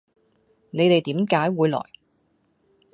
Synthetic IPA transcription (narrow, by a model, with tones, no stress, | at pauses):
ne˨˧jt̪e˨jt̪iː˨˥mkaː˨˥jwuː˨˧jlɔ̰ː˨˩j